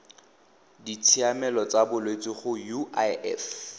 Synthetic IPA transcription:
dit͡sʰiamɛlɔt͡sabʊlwet͡sʼiχʊjuaɛ̰f

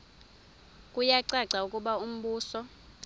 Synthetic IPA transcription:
kʼujaǀaǀaukʼuɓaum̩ɓuːsɔ

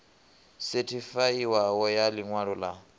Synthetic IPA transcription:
setʰifaiwawɔjaliŋwaɺɔla

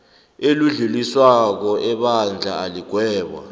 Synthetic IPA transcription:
eluɮuliswak̬ɔʔɛɓand͡ɮʱa̰aliɡ̥ʱwɛːɓa̰

